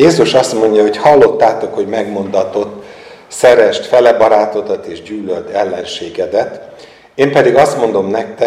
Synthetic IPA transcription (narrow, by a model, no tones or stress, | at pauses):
jeːzuʃɒst̪mo̞ɲɟɒɦo̞chɒlːo̞t̪ːaːt̪o̞kho̞ɟmɛɡmo̞nd̪ɒt̪o̞t̪ː | sɛɾɛʃt̪fɛlɛbɒɾaːt̪o̞d̪ɒt̪eːʒɟyːløld̪ɛlːɛnʃeːɡɛd̪ɛt̪ | eːmpɛd̪iɡɒst̪mo̞nd̪o̞mnɛk̚t̪ɛ